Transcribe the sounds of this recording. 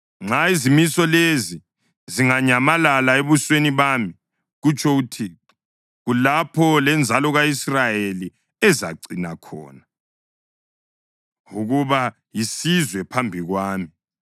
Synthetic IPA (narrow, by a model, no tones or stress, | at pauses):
ŋ͡ǁaizimisɔlezi | ziŋaɲamalalaeβusweniβaːmi | ɣut͡ʃʰʼɔɣutʰi | ɣulapʰɔlɛnd͡zʱalɔɣaisrajeli | ɛza̰ǀinakʰɔ̰ːna | uɣuβa | jisizwɛpʰambʱiɣwaːmi